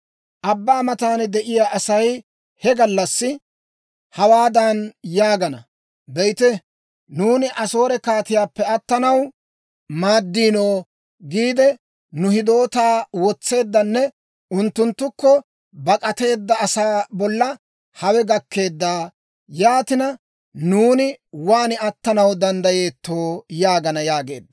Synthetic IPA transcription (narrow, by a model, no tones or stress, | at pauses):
ʔɐbːaːmɐt̪aːnɛd̪ɛʔɪjaːʔɐsɐj | hɛɡɐlːɐsːɪ | hɐwaːd̪ɐnjaːɡɐnɐ | bɛjt̪ɛ | nuːnɪʔɐso̞ːɾɛkaːt̪ɪjaːpːɛɐt̪ːɐnɐw | maːd̪ːiːnoː | ɡiːd̪ɛ | nʊhɪd̪o̞ːt̪aːwɔt͡sːe̞ːd̪ːɐnːɛ | ʊnt̪ːʊnt̪ːʊkːɔ | bɐkʼɐt̪e̞ːd̪ːɐːsaːbɔlːɐ | hɐwɛɡɐkːe̞ːd̪ːaː | jaːt̪ɪnɐ | nuːnɪwaːnɪɐt̪ːɐnɐwd̪ɐnd̪ɐjeːt̪ːo̞ːjaːɡɐnɐjaːɡe̞ːd̪ːɐ̥